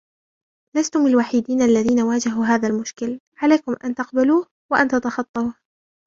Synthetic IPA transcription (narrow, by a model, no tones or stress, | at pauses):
last̪ʊmɪlwaːħid̪iːnʔalːaðiːnawaːd͡ʒaɦuːɦaːðalmʊʃkɪl | ʕalajkʊmʔa̰nt̪ɑqbaluːh | waʔant̪at̪ɑxɑt̪ˤːɑuːh